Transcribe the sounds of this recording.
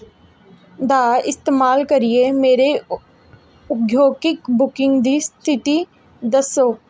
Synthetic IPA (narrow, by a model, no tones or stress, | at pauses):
d̪aːʔɪst̪eːmaːlkəɾiemeːɾe | ʊɡjoːkɪkbʊkɪ̃ŋɡd̪ist̪ʰɪt̪i | d̪əsoːk